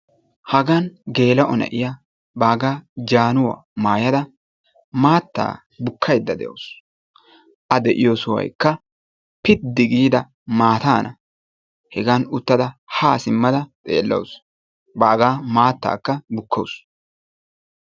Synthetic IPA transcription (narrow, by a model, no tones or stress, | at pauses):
hɐɡanɡe̞ːlɐʔɔnɛ̰ʔɪjɐ | baːɡaːd͡ʒaːnʊwɐ̰maːjɐd̪ɐ | maːt̪ːa̰ː | bʊkʰːɐjd̪ːɐd̪ɛ̰jo̰s | ʔɐd̪ɛʔɪjosʊwɐ̰jkːɐ | pɪt̪d̪ːɪɡiːd̪ɐ | maːt̪aːnʔɐ | hɛɡanʊt̪ːɐd̪ɐhaːsɪmːɐd̪ɐt̪ʼḛːlːɐ̰ws | baːɡaːmaːt̪ːa̰ːkːɐbʊkːows